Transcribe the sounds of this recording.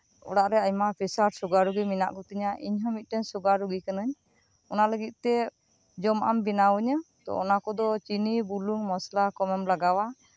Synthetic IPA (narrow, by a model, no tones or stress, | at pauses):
ɔ̰ɽaʔɾɛaɲmapʰɛsaɾsɔɡaɾuɡimina̰ʔkɔt̪iɲaʔiɲɦɔ̃mit̪̚ˀʈɛnsɔɡaɾuɡikanəɲ | ɔnaləɡit̪̚ˀt̪ɛ | d͡ʒɔmʔa̰mbinawɔɲət̪ɔ̰ɔnakɔd̪ɔt͡ʃinibuluŋmɔslakɔmɛmlaɡawa